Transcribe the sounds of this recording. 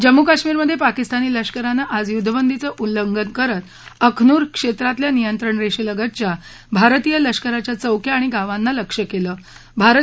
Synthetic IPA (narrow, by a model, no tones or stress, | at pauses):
d͡ʑəmːukaɕmiːɾməd̪ʱːjepakist̪aniːləʂkəɾanːaʔad͡zjud̪ʱəbənd̪ʱit͡səʔuləŋɡənkəɾət̪ | əkʰnuːɾkʂet̪ɾat̪ljanijənt̪ɾəɳɾeɕiləɡət̪t͡ɕja | bʱaɾt̪ijələʂkəɾat͡ɕjat͡səwkʰjaːɽ̃iɡaʋanːaləkʂəkeləːbʱaɾ